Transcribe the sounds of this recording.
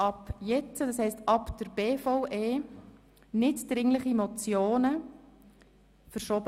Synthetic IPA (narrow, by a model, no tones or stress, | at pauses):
ɑpjɛt͡sədɑshɛɪstɑpd̥əɾb̥eːfɔʊʔeː | nɪtd̥ɾɪŋləχimɔt͡sjoːnə | fəɾʃoːb